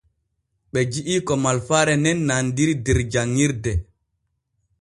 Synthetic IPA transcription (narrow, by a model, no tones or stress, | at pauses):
ɓɛd͡ʒiʔiːkɔmalfaɾɛnɛnːandiɾidɛɾd͡ʒaŋːiɾdɛ